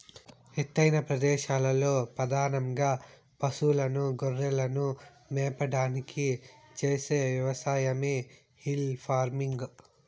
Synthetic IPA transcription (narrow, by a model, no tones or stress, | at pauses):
et̪ːɐjnɐpɾɐd̪ɛːʃaːlɐlo̞ːpɾɐd̪aːnɐmɡaː | pɐsulɐnuɡoɾːɛlɐnu | mɛːpɐɽaːnikit͡ʃeːse̞ːʋjɐʋɐsaːjɐmeː | hilpʰaːɾmiŋɡ